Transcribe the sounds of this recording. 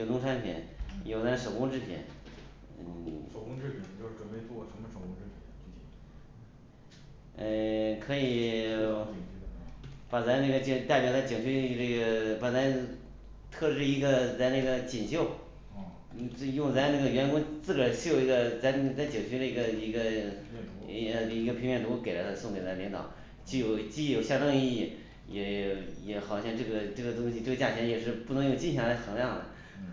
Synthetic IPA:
jo˩t̪ʊ˥ŋʈ͡ʂʰa˧˥npʰjɛ̰˨˩˥njo˨˩ʊt͡sa˧˥ɪʂo˨˩kʊ˥ŋʈ͡ʂɻ̩˥˧pʰjɛ̰˧˥n˧ | ʂo˨˩kʊ˥ŋʈ͡ʂɻ̩˥˩pʰɛ˨˩nt͡ɕo˥˧ʊʂɻ̩˥˩ʈ͡ʂwə˨˩npe˥˧ɪt͡swɔ˥˩ʂə˧˥mə˧ʂo˨˩ʊkʊ˥ʈ͡ʂ̩ʰ˥˩˥ | ə˧˩kʰɤ˧˥i˨˩˨ | pa˨˩t͡sa˧˥ɪna˥˩ɡə˩t͡ɕt̪ɪpjɑ˨˩ʊt͡sa˥˩t͡ɕjɤ˨˩ŋt͡ɕʰy˥˧ə˥˩ɡə˧˩pa˨˩t͡sa˧˥ | t̪ʰɤ˥˧ʈ͡ʂɻ̩˥˩i˧˥ɡə˧t͡sa˥˧ɪna˥˩ɡə˩t͡ɕi˨˩ŋɕjo˥˩ʊ˥˧ | jʊ˥˩˧ŋt͡sa˧˥ɪna˥˩ɡə˩ɥɛ˧˥nkʊ˥ŋt͡sɹ̩˥˩ʈ͡ʂə˨˩ɕjo˨˩ʊi˧˥ɡə˧t͡sa˧˥ɪ˧t͡sa˥ɪt͡ɕɤ˨˩ŋt͡ɕʰy˥ə˧i˧˥ɡə˧i˧˥ɡə˧˥˧ | i˧˥ɡə˧pʰi˧˥ŋmjɛ˥˩nt̪o˧˥˩ke˨˩ɪla˧˥ɪə˧sʊ˥˧ŋt̪jɛ˨˩t͡sa˧˥li˧˥ŋt̪ɑ̰˨˩˦ʊ | t͡ɕy˥˩jo˨˩ʊt͡ɕi˥˩jo˨˩ʊɕjɑ˥˧ŋʈ͡ʂɤ˥˧ŋi˥˧˩i˥˩ | jɛ˧˥˩jɛ˧˥xɑ˨˩ʊɕjɑ˥˧ŋʈ͡ʂɤ˥˩ɡə˩ʈ͡ʂɤ˥˩ɡə˩t̪ʊ˥ŋɕi˧t̪we˥˧ɪt͡ɕa˥˩t͡ɕʰjɛ˧˥njɛ˨˩ʂɻ̩˥˧pu˥˩nɤ˧˥ŋjʊ˥˩ʊt͡ɕi˥˩nɕɑ˥ŋla˧˥ɪxɤ˧˥ŋljɑ˥˩ŋd̪ə̰˩

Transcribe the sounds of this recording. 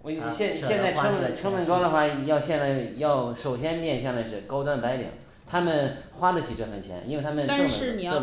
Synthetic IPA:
ɕjɛ˥˧nɕjɛ˥˧t͡sa˥˧ɪʈ͡ʂɤ˥ŋmə˧ʈ͡ʂʰɤ˥ŋmə˨˩nkɑ˥ʊlə˨˧xwa˥˩jɑ˥˧ʊɕjɛ˥˧nt͡sa˥˩ɪjɑ˥˩ʊʂo˨˩ʊɕ̬jɛ˥nmjɛ˥˧nɕ̬jɑ˥˧ŋla˧ɪʂ̬ɻ̩˥˩kɑ˥ʊt̪wa˥npa˧˥ɪlḭ˨˩˦ŋ | t̪ʰa˥mə˨nxwa˥d̪ə˨t͡ɕʰi˨˩ʈ͡ʂwə˥˩xə˨˩nt͡ɕʰjɛ̰˧˥nʔi˥we˥˩ɪt̪ʰa˥mə˨n˧ɤ˥˨ɻ̩˥˩ni˨˩˥

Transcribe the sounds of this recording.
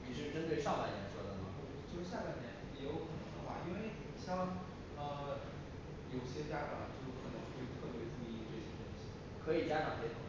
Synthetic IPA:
ni˨˩ʂ̬ɻ̩˥˩ʈ͡ʂə˥nt̪we˥˧ɪʂɑ˥˩ŋla˥˩ɪnjɛ˧˥nʂwɔ˥d̪ə˨nɐ˩˥˧t͡ɕo˥˧ʊʂ̩˥ɕja˥˩la˥˩ɪnjɛ˧˥nɛ˧˥jo˧˥ʊkʰɤ˨˩nə˧˥ŋd̪ə˧˥xwa̰˥˩i˥nwe˥˩ɪ | ɕjɑ˥˩ŋ | ə˧˩ | jo˨˩ʊɕjɛ˥t͡ɕja˥ʈ͡ʂɑ˨˩t͡ɕo˥˩˥kʰɤ˨˩nɤ˧˥ŋ˥˧˩t̪ʰɤ˥˩pjɛ˧˥ʈ͡ʂu˥˧i˥ʈ͡ʂɤ˥˩ɕjɛ˥t̪o˥ŋɕi˨˩ | kʰɤ˧˥i˨˩t͡ɕja˥ʈ͡ʂɑ˨˩ŋpjɛ˥˩

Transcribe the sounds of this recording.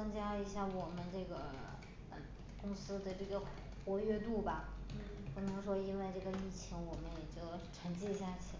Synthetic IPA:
ɤ˥ŋt͡ɕja˥i˧˥ɕja˥˩wɔ˨˩mə˦nʈ͡ʂɤ˥˩ɡə˩ | pə˨˩ | kʊ˥ŋsɹ̩˥d̪ə˨ʈ͡ʂɤ˥˩ɡə˩ | xwɔ˧˥ɥɛ˥t̪u˥˩bɐ˩ | pu˥˩nɤ˧˥ŋʂwɔ˥i˥nwe˥˧ɪʈ͡ʂɤ˥˩ɡə˩i˥˩t͡ɕʰi˧˥ŋwɔ˨˩mə˦njɛ˨˩t͡ɕjo˥˩ʊʈ͡ʂʰa˧˥ŋt͡ɕɛ˥˧ɕja˥˩t͡ɕʰi˨˩

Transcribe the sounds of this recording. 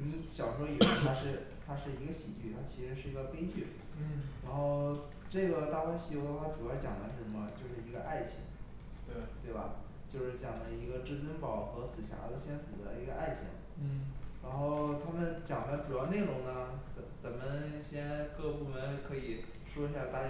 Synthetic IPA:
ni˧˥ɕjɑ˨˩ʊʂwɔ˥i˨˩e˧˥t̪ʰa˥ʂɻ̩˥˩ | t̪ʰa˥ʂɻ̩˥˩i˧˥ɡə˧ɕi˨˩t͡ɕy˥˩t̪ʰa˥t͡ɕʰi˧˥ʂɻ̩˧˥ʂɻ̩˥˩i˧˥ɡə˧pe˥ɪt͡ɕy˥˩ | ɻa˧˥nxo˥˧ʊ | ʈ͡ʂɤ˥˩ɡə˩t̪a˥˩kwa˥nɕi˧˩o˧˥d̪ə˧wa˥˩ʈ͡ʂu˨˩˥t͡ɕjɑ˨˩ŋd̪ə̰˧˦ʂɻ̩˥˩ə˧˥mə˧t͡ɕjo˥˧ʊʂɻ̩˥˩i˧˥ɡə˧ʔa˥˩ɪt͡ɕʰḭ˧˥ŋ˩ | t̪we˥˩ɪbɐ̰˩ | t͡ɕjo˥˧ʊʂɻ̩˥˩t͡ɕjɑ˨˩ŋd̪ə˦i˧˥ɡə˧ʈ͡ʂɻ̩˥˩t͡swə˥npɑ˨˩ʊxɤ˧˥sɹ̩˨˩ɕja̰˧˥d̪ə˧ɕjɛ˥nsɹ̩˨˩d̪ə̰˦i˧˥ɡə˧ʔa˥˩ɪt͡ɕʰḭ˧˥ŋ | ɻa˧˥nxo˥˩˧ʊt̪ʰa˥mə˨nt͡ɕjɑ˨˩ŋd̪ə˦ʈ͡ʂu˨˩jɑ˥˧ʊne˥˩ɪʊ˧˥ŋnə˧ə˧˩t͡sə˨˩nmə˧˦ɕjɛ˥nkɤ˥˧pu˥˩mə˧˦n˥˧kʰɤ˧˥i˨˩ | ʂwɔ˥i˧˥ɕa˥˧t̪a˥˧˥

